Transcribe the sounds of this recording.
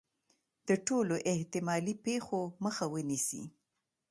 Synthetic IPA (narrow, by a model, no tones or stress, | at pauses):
d̪̥əʈoloʔeht̪ɪmɑlipexoməxawənisḭ